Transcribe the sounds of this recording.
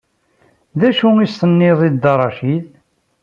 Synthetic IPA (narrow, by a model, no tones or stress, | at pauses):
ðæʃuist̪ənːɪðˤid̪ɑɾˤɑʃilð